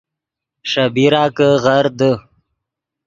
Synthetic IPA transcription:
ʂabiɾɑːkəɣaɾd̪ə

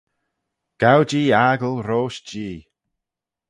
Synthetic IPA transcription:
ɡ̥awd͡ʒiːaːɡəlˠɾoːʃd͡ʒiː

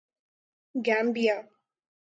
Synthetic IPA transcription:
ɡæ̃ːmbijaː

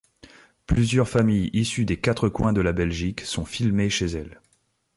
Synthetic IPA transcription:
plyzjœʁfamijisyd̪ekat̪χəkwɛ̃d̪əlabɛlʒiksɔ̃filmeʃezɛl

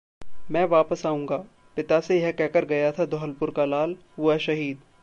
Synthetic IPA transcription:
mɛ̃ːʋaːpəsaːũːŋɡaː | pɪt̪asejɐkɛkəɾɡɐjat̪ʰad̪ʱɔɦəlpʊɾkalaːl | uɛʃɐɦiːd̪

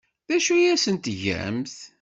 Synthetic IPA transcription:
ðæʃujæsənt̪ʝæ̰mθ

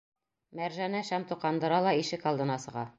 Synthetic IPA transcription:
mæɾʒænæʃæmt̪uqɑnd̪ɤ̆ɾɑlˠɑiʃɘkɑlˠd̪ɤ̆nɑsɤ̆ʁɑ

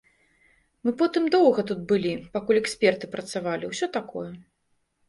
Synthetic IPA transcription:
mɨpɔt̪ɨmd̪ɔwɣɐt̪ut̪̚bɨlʲipakulʲɛksʲpʲɛrt̪ɨpɾɐt̪savalʲiwsʲɔt̪akɔ̰jɛ

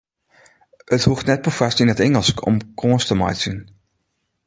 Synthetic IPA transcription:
əthuftnɛt̚pəfɑstɪnətɛŋəlˠskɔ̰mkɔstəma̰jtsin

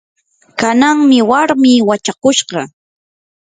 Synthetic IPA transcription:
kanaŋmɪwaɾmiːwat͡ʃakʊʃɢɑ

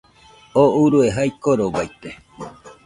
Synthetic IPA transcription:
ouɾueɦajkoɾoβajt̪e

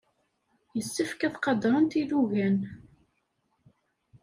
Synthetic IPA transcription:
jəsːəfkæθqɑd̪ɾˤənt̪iðuʝæn

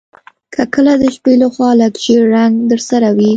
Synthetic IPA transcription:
kʰəkəlad̪əʃpelaxwɑlaɡʒeɾaŋɡd̪əɾsaɾawi

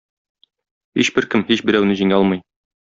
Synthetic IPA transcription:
hiɕbɘɾkɘmhiɕbɘ̆ɾæwnɘʑiŋæɒlˠmɤj

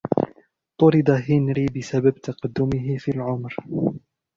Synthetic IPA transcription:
t̪ˤʊɾɨd̪ˤaɦɪnɾiːbɪsabab̚t̪ɑqɑd̪ːʊmɪɦɪfiːlʕʊmɾ

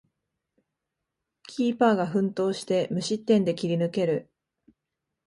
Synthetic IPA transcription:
kʲʰiːpaːɡaɸɯ̟̃nt̪o̞ːɕi̥t̪e̞mɯ̟ɕit̪ːẽ̞nd̪e̞kʲiɾʲinɯ̟ke̞ɾɯ̟

